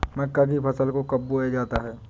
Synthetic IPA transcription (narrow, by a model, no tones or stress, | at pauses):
mɐkːak̬ipʰɐsəlkokɐbːued͡ʒaːt̪aɦɛː